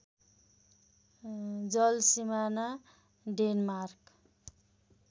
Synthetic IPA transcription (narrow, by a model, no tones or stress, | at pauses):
d͡zʌlsimana | ɖenmark